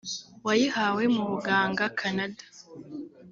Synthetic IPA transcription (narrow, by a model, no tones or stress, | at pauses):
wajihawe̞muβuɡaːŋɡakʰanadḁ